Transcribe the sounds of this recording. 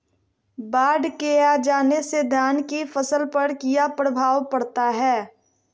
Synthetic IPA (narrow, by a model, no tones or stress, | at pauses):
baːɖkead͡ʒaːnesed̪ʱjaːnkifɐsəlpɐɾkijapɾəbʱaːʋpɐɽt̪aɦɛː